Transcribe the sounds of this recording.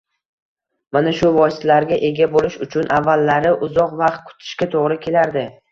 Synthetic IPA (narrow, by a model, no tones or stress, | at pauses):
manaʃʊvɒsɪ̥t̪laɾɡʲaʔe̞ɡʲabolɪʃʊt͡ʃʰʊnʔavːalːaɾɪʔʊzɒqvɑqt̪̚kʰʊ̥t̪ʰɪ̥ʃkʲat̪ʰoʁɾɪkʲʰe̞laɾd̪ɪ